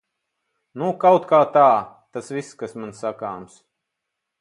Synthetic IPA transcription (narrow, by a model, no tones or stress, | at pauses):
nukawt̪kaːt̪aː | t̪asviskasmansakaːms